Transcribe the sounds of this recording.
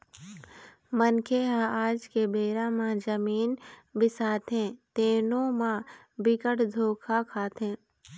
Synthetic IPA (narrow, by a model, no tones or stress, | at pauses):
mənkʰeɦãaːd͡ʒkebeːɾãmãd͡ʒəmiːnbɪsaːt̪ɦẽt̪eːnõmã | bɪkəʈd̪ʱoːkʰakʰaːt̪ɦɛ̃ː